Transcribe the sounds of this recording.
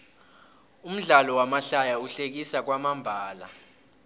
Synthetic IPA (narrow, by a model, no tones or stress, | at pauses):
um̩ɮalɔwamaɬajauɬek̬isak̬wamambʱaːla̰